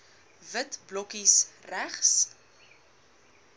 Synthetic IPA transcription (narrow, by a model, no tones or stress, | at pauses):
vətblɔkisræχs